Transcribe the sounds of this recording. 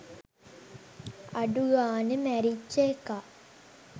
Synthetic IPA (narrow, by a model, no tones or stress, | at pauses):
aɖuɡaːnəmæɾit͡ʃːəeka